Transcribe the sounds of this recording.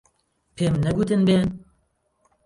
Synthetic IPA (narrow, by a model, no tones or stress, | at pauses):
pʰeːmnɛɡuːt̪ɨnbeːn